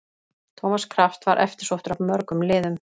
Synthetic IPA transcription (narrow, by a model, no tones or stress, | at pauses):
t̪ʰoːmaskʰɾaft̪vaɾʔɛ̰ft̪ɪ̥ɾ̥sowht̪ʏɾavmœɾkʏmlɪːðʏm